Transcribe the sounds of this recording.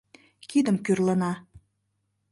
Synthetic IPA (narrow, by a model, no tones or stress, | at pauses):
kid̪əmkyrlənɑ